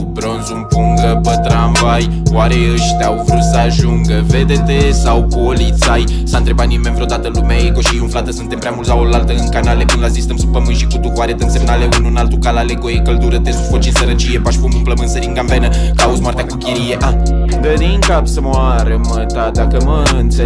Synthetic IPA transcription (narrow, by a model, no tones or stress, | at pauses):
bɾo̞nzumpuŋɡəpət̪ɾamvajwaɾeəʃt̪awvɾut̪səaʒuŋɡəved̪et̪esawpo̞lit̪sajsant̪ɾe̞bat̪nime̞nvɾeo̞d̪at̪əlumeeko̞ʃiunflat̪əsunt̪empɾʲeamult̪sawolalt̪əɨŋkanalepɨnlazist̪əmsupəmɨnʃikut̪ukowaɾed̪əmse̞mnaleɨnuɨnalt̪ukalaleko̞jekəld̪uɾət̪esufot͡ʃinsəɾət͡ʃijepaʃifomumpləmɨnsəɾiŋɡambenəkaut̪zmoart̪ʲakukʲiɾijeʔad̪əd̪iŋkapsəmoaɾəmət̪ad̪akəməɨnt̪se